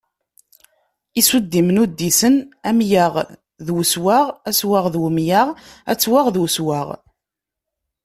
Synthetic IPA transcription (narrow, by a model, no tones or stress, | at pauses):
isud̪ːimnud̪ːisənæmjaʁ | ðwəswaʁæswaʁðwəmjaʁæ̰t͡sːwaʁðwswaʁ